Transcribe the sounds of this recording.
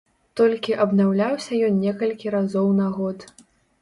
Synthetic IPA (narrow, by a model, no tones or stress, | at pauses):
t̪ɔlʲkʲiʔɐbnawlʲawsʲɐjɔnnʲɛkɐlʲkʲiɾazɔwnaɣɔt̪